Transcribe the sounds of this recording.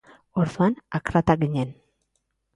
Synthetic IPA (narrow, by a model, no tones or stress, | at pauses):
oɾðuanakrat̪aɡiɲen